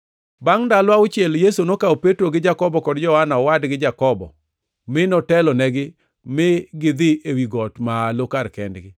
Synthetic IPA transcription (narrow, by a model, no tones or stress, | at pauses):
baŋndalwaʊt͡ʃɪɛljesonokaopetɾoɡɪd͡ʒakɔbɔkɔdd͡ʒɔhanaɔwadɡɪd͡ʒakɔbɔ̰ | mɪnɔtɛlɔnɛɡɪ | mɪɡɪd̪ɪʔewiɡɔtmalokarkɛ̰ndɡɪ